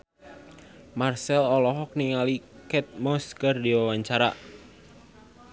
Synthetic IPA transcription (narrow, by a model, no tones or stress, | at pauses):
marsɛlɔlɔɦɔk̚niŋalikɛt̪̚mɔskərdiwawaɲt͡ʃaɾa̰